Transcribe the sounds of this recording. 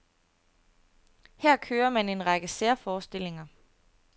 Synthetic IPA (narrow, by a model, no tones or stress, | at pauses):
hæɐ̰kʰøːɐmæne̝nʁɑ̈ɡ̥əseɐfɒːsd̥e̝l̰e̝ŋɐ